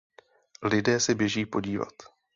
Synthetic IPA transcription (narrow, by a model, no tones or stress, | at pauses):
lɪdɛːsɛbjɛʒiːpo̞ɟiːva̰t̪